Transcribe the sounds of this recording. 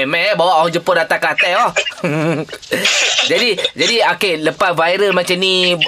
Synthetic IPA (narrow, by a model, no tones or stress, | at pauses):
ɛmɛbawaʔɦɔŋd͡ʒəpʊdat̪akat̪ɛɔh | d͡ʒadid͡ʒadiakɛʔləpat̪̚vajɾəlmãt͡ʃamni